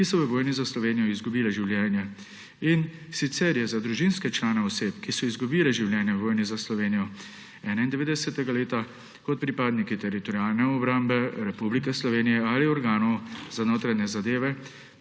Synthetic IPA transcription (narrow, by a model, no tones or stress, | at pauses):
kisɔʋəʋoːjnizaslɔʋeːnijɔizɡubiːlɛʒiwljɛːnjɛ | insit̪sɛɾjɛzad̪ɾuʒinskɛt͡ʃlaːnɛɔseːpkisɔizɡubiːlɛʒiwljɛːnjɛʋoːjnizaslɔʋeːnijɔ | ɛːnaind̪ɛʋeːd̪ɛsɛt̪ɛɡaleːt̪a | kɔt̪̚pɾipaːd̪nikit̪ɛɾit̪ɔɾiaːlnɛɔbɾaːmbɛɾɛpublikɛslɔʋeːnijɛaliɔɾɡaːnɔwz̥anoːt̪ɾaɲɛzad̪eːʋɛ